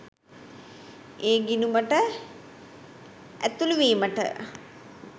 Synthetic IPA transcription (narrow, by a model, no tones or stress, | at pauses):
eːɡinuməʈə | æt̪uluʋiːməʈə̰